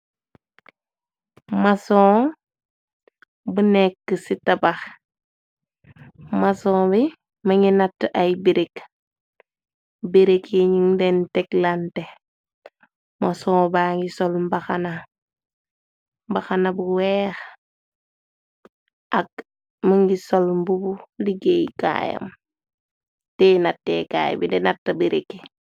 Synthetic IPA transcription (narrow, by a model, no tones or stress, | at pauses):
masɔ̃ː | bunɛkːəsitabax | masɔ̃ːbi | mɐŋinatːʔajbiɾek | biɾekiɲiŋdɛntɛklante | mɐsɔ̃ːbaːŋɡisɔlmbaxana | mbaxanabuwɛːx | ʔɐk̚ | məŋɡisɔlmbubuliɡejka̰jɐ̰m | tɛːnatːɛ̰ːka̰ːj̰bindɛnatːɐbiɾekːi